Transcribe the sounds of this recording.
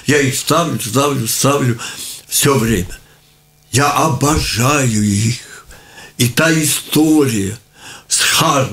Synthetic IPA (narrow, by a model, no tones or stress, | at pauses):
jaixst̪aʋlʲʊst̪aʋlʲʊst̪aʋlʲʊfsʲɔʋɾʲemʲɛ | jaʔɐbɐʐajʊjixit̪aist̪oɾʲɪjɐ | sxar